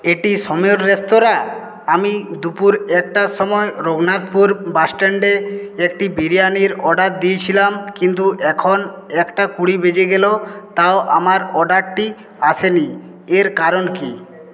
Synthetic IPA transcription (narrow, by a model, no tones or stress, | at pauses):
eʈisɔmeoɾɾest̪oɾa | amid̪upuɾɛk̚ʈasɔmɔeɾoɡnat̪puɾbasʈeɳɖeek̚ʈibiɾijaniɾɔɖat̪̚d̪iet͡ɕʰilamkint̪̬uʔɛkʰonɛkʈakuɽibed͡ʒeɡelot̪aoʔamaɾɔɖaʈʈi | asʰeni | eɾkaɾonki